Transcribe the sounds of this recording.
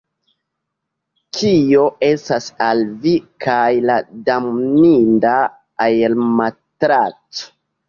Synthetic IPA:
t͡ʃijo̞e̞stasalvikʰajladammindaː | jelmatɾat͡so̥

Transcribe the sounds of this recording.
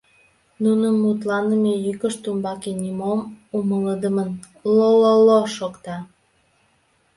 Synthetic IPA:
nunəmːut̪lɑnəmejykəʃt̪umbɑkenʲimomumələd̪əmən | lololoʃokt̪ɑ

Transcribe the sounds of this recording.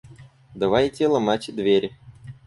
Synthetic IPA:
d̪ɐvajtʲelˠɐmatʲd̪vʲeɾʲ

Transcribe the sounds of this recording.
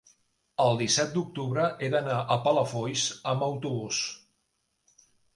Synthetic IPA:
əlˠd̪isɛt̪̚d̪uk̚t̪uβɾəʔed̪ənaʔəpələfɔjsəməwt̪uβ̞us

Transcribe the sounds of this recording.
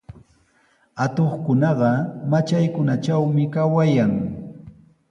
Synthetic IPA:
at̪oχkʊnɑɢɑmat͡ʃajkʊnat͡ʃawmɪkawajaŋ

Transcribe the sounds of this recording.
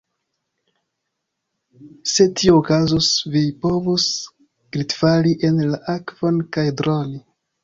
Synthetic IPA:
se̞tʰioːkazosvipo̞vus | ɡɾitfaliʔe̞nlaʔakv̥o̞nkajdɾoni

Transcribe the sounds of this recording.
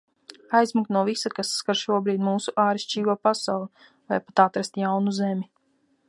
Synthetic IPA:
ajzmaknuɔvisakasːkaɾʃuɔbɾiːd̪muːsuʔaːɾiʃt͡ʃiːɡuɔpasawlˠi | vajpat̪at̪ɾast̪jawnuzemʲi

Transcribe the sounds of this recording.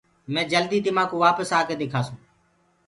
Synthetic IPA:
mɛ̃ːd͡ʒəld̪iːd̪ɪmaːkoːʋaːpəsaːkeːd̪eːkʰaːsũː

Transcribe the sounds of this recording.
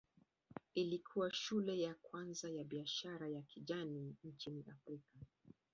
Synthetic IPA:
ilikʰuwaʃulɛjakwanzajaɓiaʃaɾajakiʄaniɲt͡ʃiniʔafɾika

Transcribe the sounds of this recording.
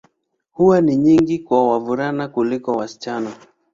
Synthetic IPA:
huwaniɲiŋɡikwawavuɾanakulikɔwasi̥t͡ʃana

